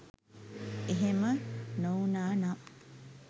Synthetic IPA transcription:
eɦemənownaːna

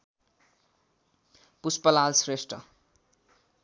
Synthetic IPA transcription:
puspʌlalsresʈʌ̰

